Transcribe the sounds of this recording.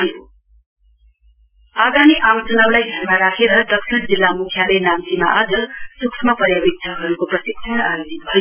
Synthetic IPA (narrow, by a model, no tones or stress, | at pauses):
ɦʌjo | aɡ̪aniʔawt͡sʌnawlajɡʱʌrmaɾakʰeɾʌd̪ʌksʰind͡zilːamukʰjalenamt̪imaʔʌd͡zʌsuksʰmʌpʌɾjabik̚tʰʌɦʌɾukoprʌsiksʰʌnajod͡zit̪̚bʱʌjo